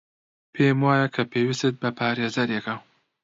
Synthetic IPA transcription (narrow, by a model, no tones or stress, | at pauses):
pʰeːmwaːjakʰɐpʰeːwist̪et̪̚bɐpʰaːɾeːzɐɾjeka